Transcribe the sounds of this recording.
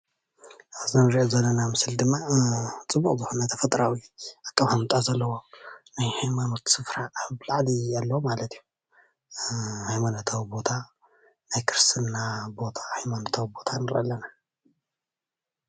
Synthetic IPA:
zɨnɨɾiʔozɐlːɐnamɨsɨld̪ɨmːat͡sʼɨbuχʼzɨxunat̪ʰɐfɐt̪ʼɾawiʔakʼːaβhamut̪ʼazɐlːɐwo̞najhajmano̞t̪sɨfɾaʔːβlaʕlialːomalɐt̪iju | hajmanot̪ʰawibo̞t̪ʰa | najkʰɨɾst̪ʰɨnːabo̞t̪ʰahajmanot̪ʰawibo̞t̪ʰanɨɾʔɐ̰lːɐna

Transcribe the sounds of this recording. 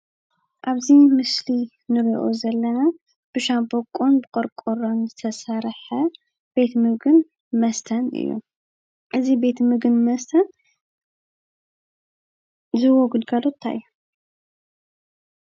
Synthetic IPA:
ʔaβzimɨsli | nɨɾiʔozɐlːɐna | b̥ɨʃambokʼunbɨkʼoɾkʼoɾonzɨt̪ʰɐsɐɾħɐ | b̥e̞t̪mɨɡɨn | mɐst̪ʰɐnɨ̰jːṵ | ʔɨzibe̞t̪mɨɡɨnmɐst̪ʰɐn | zɨwoɡɨd̪ɡalot̪ʰːa̰ɨ̰ju

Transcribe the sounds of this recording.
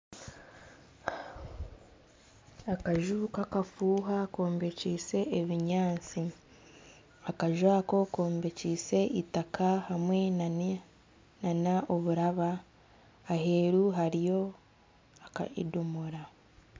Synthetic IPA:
akaʒuːkakafuːɦako̞ːmbe̞ciːse̞ʔːβiɲaːt͡si | akaʒwaːko̞ko̞ːmbe̞ciːse̞ʔitakʰahamwena | nanaʔoβuɾaβaː | he̞ɾuɦaɾijo̞ | aka̰ḭdumuɾa

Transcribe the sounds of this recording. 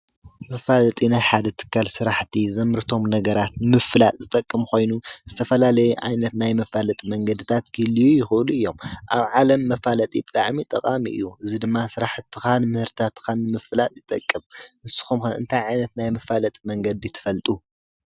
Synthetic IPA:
mɐfalɐt̪ʼinajħad̪ɐt̪ʰɨ̥kʰːalsɨɾaħt̪ʰizɐmɨɾɨt̪ʰo̞mnɐɡɐɾat̪mɨfɨlat̪ʼzɨt̪ʼɐkʼːɨmkʰo̞jnuz̥ɨt̪ʰɐfɐlalɐjuʕa̰jnɐt̪najmɐfalɐt̪ʼimɐŋɡɐd̪ɨt̪ʰat̪̚ɡʰilijujɪxɨʔɨluʔɨjːo̞mʔa̰βʕalɐmːɐfalɐt̪ʼibɨt̪ʼa̰ʕmit̪ʼɐqʼamiʔɨ̰jːuʔɨzid̪ɨmːasɨɾaħt̪ʰːɨxanmɨhɨɾt̪ʰat̪ʰːxanːɨmɨfɨlat̪ʼjɪt̪ʼɐkʼːɨmɨnsɨ̥xumɨ̰nt̪ʰajʕajnɐt̪najmɐfalɐt̪ʼimɐŋɡɐd̪ijt̪ʰːɨ̥fɐlt̪ʼu

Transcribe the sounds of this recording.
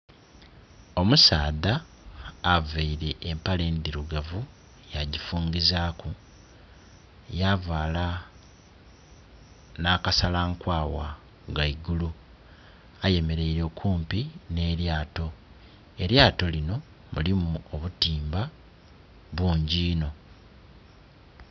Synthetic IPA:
o̞musaːðaː | veiɾe̞ʔːmpale̞ːnd̪iɾuɡavu | jaɟifuːɲɡizaːku | javaːla | nakasalaŋkwaːwa̰ | ɡaiɡulu | aje̞me̞ɾe̞iɾe̞ːkʰuːmpine̞ɾjaːto̞ | e̞ɾjaːto̞lino̞ | mṵlimuoβutiːmba | βuːɲɟiːno̞

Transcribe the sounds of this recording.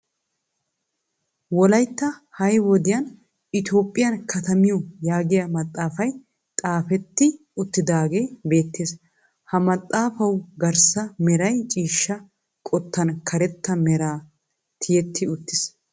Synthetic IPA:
wɔlɐjt̪ːɐhɐjwɔd̪ɪjɐn | ɪt̪jo̞ːpʼːɪjɐnkʰɐt̪ɐmɪjɔjaːɡɪjɐmɐt̪ʼːaːfɐj | t̪ʼaːfɛt̪ːɪ | ʊt̪ːɪd̪aːɡe̞ːbe̞ːt̪ːeːs | hɐmɐt̪ʼːaːfɐwɡɐɾsɐmɛɾɐjt͡ʃʼiːʃːɐ | kʼɔt̪ːɐnkʰɐɾɛt̪ːɐmɛɾaː | t̪ʰɪjɛt̪ʰːɪʊt̪ːɪs

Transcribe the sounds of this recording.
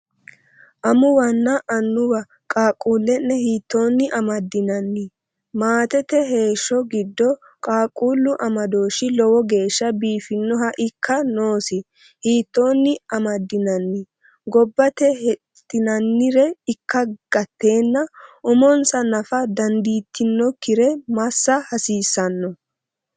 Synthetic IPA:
ʔɐmʊwɐnːɐʔɐnːʊwɐ | kʼaːkʼuːlːɛnːɛhiːt̪ːo̞ːnːɪʔɐmɐd̪ːɪnɐnːɪ | maːt̪ɛt̪ɛɦe̞ːʃːɔɡɪd̪ːɔ | kʼaːkʼuːlːʊʔɐmɐd̪o̞ːʃɪlɔwɔɡe̞ːʃːɐbiːfɪnːɔɦɐʔɪkːɐnoːsɪ | hiːt̪ːo̞ːnːɪɐmɐd̪ːɪnɐnːɪ | ɡɔbːɐt̪ɛhɛt̪ːɪnɐnːɪɾɛɪkːɐɡ̥ɐt̪ːe̞ːnːɐʔʊmɔnsɐnɐfɐd̪ɐnd̪iːt̪ʰːɪnːɔkɪɾɛmɐsːɐhɐsiːsːɐnːɔ

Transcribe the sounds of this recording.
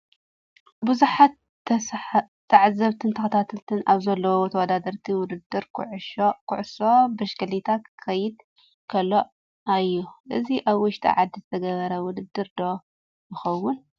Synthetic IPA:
bɨzuħat̪ | t̪ʰːaʕzɐβt̪ʰɨnt̪ʰɐxɐt̪ʰat̪ʰɨlt̪ʰɨnaβzɐlːɐwot̪ʰɐwɐd̪ad̪ɐɾt̪ʰiwʊd̪ɨd̪ːɨɾkʰʕʃokʰʊʕso̞bɨʃkɐlit̪ʰakʰkʰɐjɪd̪ | kʰɐlːoʔ | ajːuʔɨziʔaβwʊʃt̪ʰʼḭʕad̪ːizɨt̪ʰɐɡɐβɐɾɐwʊd̪ɨd̪ːɨɾd̪o̞ | jɪxɐwːʊn

